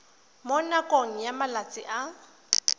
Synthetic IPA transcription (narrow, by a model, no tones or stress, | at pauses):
mʊnakʼoŋ̩jamalat͡sʼɪʔa